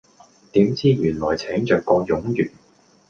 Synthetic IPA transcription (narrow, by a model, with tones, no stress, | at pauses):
t̪iː˨˥mt͡siː˥jyː˨˩nlɔː˨˩jt͡sʰɛː˨˥ŋt͡ʃœː˨kːɔː˧jʊ˨˥ŋjyː˨˩n